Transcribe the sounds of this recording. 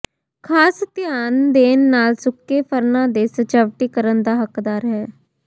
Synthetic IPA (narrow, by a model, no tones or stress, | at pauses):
kʰaːst̪ɪjaːnd̪eːnːaːlsʊkːeːpʰəɾnãːd̪eːsət͡ʃəːʋʈiːkəɾənd̪aːɦəkd̪aːɾɦɛː